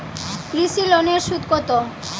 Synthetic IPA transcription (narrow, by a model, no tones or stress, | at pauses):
kɾiʃiloneɾʃut̪kot̪o